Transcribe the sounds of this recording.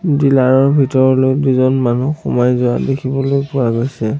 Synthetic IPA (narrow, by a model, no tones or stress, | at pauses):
dilaɹɔɹbʱitɔɹɔlojduzɔnmanuxɔmajzɔa̰dekʰibɔlojpʊɹaɡojsɛ